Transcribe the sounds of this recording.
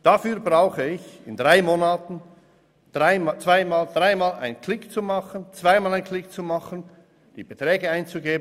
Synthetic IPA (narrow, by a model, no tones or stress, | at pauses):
d̥afyːɐbraʊxəɪçɪndʁaɪmoːnaːtn̩ | d̥ʁaɪmt͡sv̥aɪmaːld̥raɪmaːla̰ɪənkʰlɪkt͡sumɑχənt͡sv̥aɪmaːlaɪnkʰlɪkt͡sumɑχən | d̥iːb̥ətrɛːɡəaɪnt͡suɡeːb